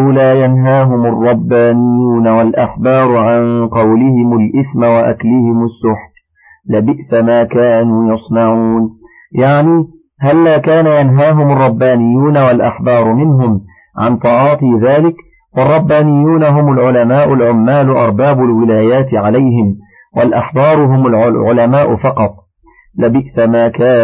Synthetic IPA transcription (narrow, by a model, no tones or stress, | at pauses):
laːjanɦaːɦʊmʊrˤːɑbːaːnɪjːuːnawalʔaħbɑːɾˤʊʕanqɑwlɪhɪmʊlʔɪθmawaʔa̰klɪhɪmʊsːʊħb | lɪbɪʔsamaːkaːnuːjɑsˤnɑʕuːn | jaʕniː | halːaːkaːnajanɦaːɦʊmʊrˤːɑbːaːnɪjːuːnawalʔaħbɑːɾˤʊmɪnɦʊm | ʕa̰nt̪ˤɑʕɑːt̪ˤiːðaːlɪk | wɑrˤːɑbːaːnɪjːuːnaɦʊmʊlʕʊlamaːʔʊlʕʊmːaːlʊʔɑ̰ɾˤbaːbʊlwɪlaːjaːt̪ɪʕalajhɪm | walʔaħbɑːɾˤʊɦʊmʊlʕʕʊlamaːʔʊfɑqɑt̪ˤ | labɪʔsamaːkaː